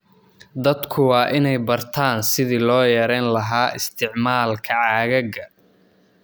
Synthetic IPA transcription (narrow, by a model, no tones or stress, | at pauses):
d̪ɐd̪kʰʊwɑːʔɪnɛjbɐrt̪ʰaːnsɪðiːlɔːjɛɾɛːnlɐɦaːʔɪst̪ʰɪʕmaːlkʰɐʕaːɣɐɣɐ